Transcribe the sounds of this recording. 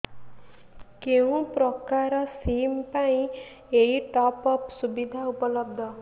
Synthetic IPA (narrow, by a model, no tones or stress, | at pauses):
keũpɾɔkaɾɔsimpaĩ | eiʈɔpɔpsubid̪ʱaupɔlɔbd̪ʱɔ